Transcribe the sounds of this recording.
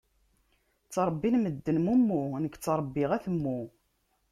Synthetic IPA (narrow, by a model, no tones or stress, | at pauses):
t͡sːɾˤəbːinməd̪ːənmumːunəkːt͡sːɾˤbːɪʁæθəmːu